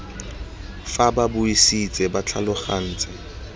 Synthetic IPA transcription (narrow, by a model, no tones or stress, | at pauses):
fababʊisit͡sʼɛbat͡ɬʰa̰lʊχan̩ːt͡sʼa